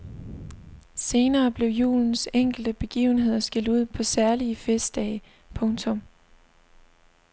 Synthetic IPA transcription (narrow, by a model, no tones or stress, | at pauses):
se̝ːnɐːb̥le̝ʊjṵːln̩seŋ̰ɡ̥l̩d̥əb̥e̝ɡ̥ḭːʊn̩ɦe̝ð̞̰ˠɐsɡ̥eld̥uð̰ˠpʰɒ̽sæɐliəfesd̥ɛːɪ | pʰɔ̽ŋt͡sʰɔ̽m